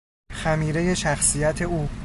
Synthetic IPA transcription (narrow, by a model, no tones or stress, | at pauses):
xæmiːɾe̞je̞ʃæxsijæt̪ʰe̞uː